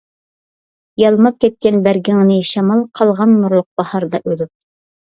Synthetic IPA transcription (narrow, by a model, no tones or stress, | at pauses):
jɑlˠmɑp̚kæt̪̚kænbæɾɡɘŋnɘʃæmɑlˠqʰɑlˠʁɑnːuɾlˠoq̚bɑhɑɾd̪ɑʔʉðɘp̚